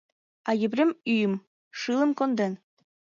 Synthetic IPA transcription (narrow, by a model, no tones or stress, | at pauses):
ɑjɘ̆bɾʲemyjɘ̆m | ʃɯlˠɤ̆mkond̪en